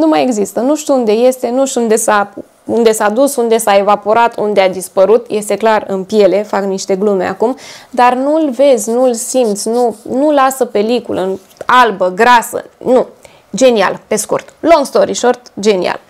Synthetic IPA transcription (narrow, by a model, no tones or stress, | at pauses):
numaje̞ɡzist̪ənuʃt̪uund̪e̞je̞st̪e̞nuʃt̪und̪e̞sa | und̪e̞sad̪usund̪e̞sae̞vapo̞ɾat̪ʰund̪ead̪ispəɾut̪je̞st̪e̞klarɨ̰npje̞le̞fakniʃt̪e̞ɡlume̞̰a̰kumd̪arnulve̞zʲnulsimt̪sʲnunulasəpe̞likulə̰ɨn | albəɡɾasə̰nu | d͡ʒe̞nia̰lpe̞skṵrt̪lo̞ŋɡst̪o̞ɾiʃo̞rt̪d͡ʒe̞nḭa̰l